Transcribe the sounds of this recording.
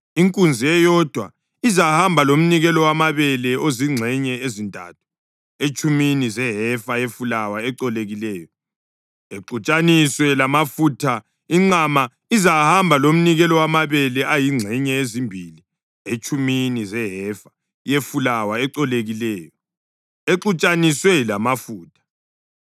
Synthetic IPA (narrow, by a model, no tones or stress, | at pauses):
iŋkʼund͡zʱiɛjɔd̥ʱwa̰ | izahambʱalom̩niɣɛlɔwamaβɛlɛoziŋ͡ǀʱɛɲɛezintʼa̰tʰu̥ | et͡ʃʼuminizɛɦɛfajefulawaɛǀɔleɣilɛːjɔ | eǃut͡ʃʼaniswɛlamafutʰa | iŋ͡ǀama | izahambʱalom̩niɣɛlɔwamaβɛlɛʔajiŋ͡ǀʱɛɲɛezimbʱili | et͡ʃʰʼuminizɛɦɛfḁ | jefulawaɛǀɔleɣilɛːjɔ | eǃut͡ʃʼaniswɛlamafuːtʰḁ